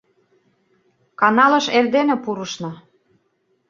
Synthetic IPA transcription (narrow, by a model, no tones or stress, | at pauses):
kɑnɑlɤ̆ʃerd̪enĕpuɾəʃnɤ